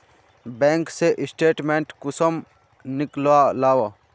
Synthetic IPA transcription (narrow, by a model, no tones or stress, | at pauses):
bẽːŋkseʔɪsʈeːʈmẽːɳʈkʊsəm | nɪklʋaːlaːʋa